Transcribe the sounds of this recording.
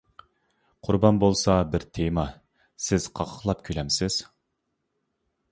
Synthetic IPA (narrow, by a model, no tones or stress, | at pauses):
qʰʊɾbɑnbolˠsɑbɪɾt̪ʰemɑ | sɪz̥qʰɑʁʰə̥χlˠɑp̚kʲʰølɛmsɪz̥